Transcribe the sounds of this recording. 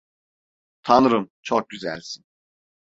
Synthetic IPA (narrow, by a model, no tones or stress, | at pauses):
t̪ʰanɯɾɯmt͡ʃʰok̚ɟyzæ̰lʲsin